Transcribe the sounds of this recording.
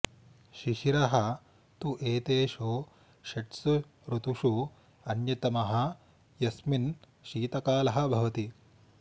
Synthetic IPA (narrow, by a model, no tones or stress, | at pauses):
ʃiʃiɾɐɦɐ | t̪uʔeːt̪eːʃu | ʃɐʈsu | ɾut̪uʂu | ɐnjɐt̪ɐmɐɦɐ̆ | jɐsmin | ʃiːt̪ɐkaːlɐɦɐ̆bʱɐʋɐt̪i